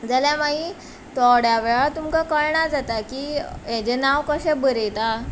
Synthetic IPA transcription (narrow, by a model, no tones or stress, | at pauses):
d͡zaljamaɦi | t̪ɔɽjaʋeɭat̪umkakəɭɳad͡zat̪akiːjãd͡ʑenawkəɕɛ̃bəɾet̪a